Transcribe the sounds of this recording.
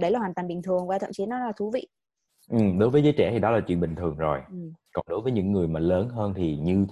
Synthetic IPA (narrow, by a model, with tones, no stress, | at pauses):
ɗə˧˩laː˨˩waː˨˩nt̪aː˨˩ŋɓï˨˩ŋ̟t̪ʰɨ˨˩əŋvwaː˧˩t̪ʰə̰˧˨mt͡ɕi˨˦nɔ˨˦laː˨˩t̪ʰu˨˦vḭ˧˨ | ʔɨ˨˩mɗo˨˦jvəː˨˦zəː˨˦jt͡ɕɛ̰˧˩t̪ʰi˨˩ɗɔ˨˦laː˨˩t͡ɕwḭ˧˨nɓï˨˩ŋ̟t̪ʰɨ˨˩əŋzo˨˩jkɔ˨˩nɗo˨˦jvəː˨˦jɲɨ̰˧˥ŋːɨ˨˩əjmaː˨˩ləː˨˦nɦəː˧nt̪ʰi˨˩ɲɨ˧t̪ʰ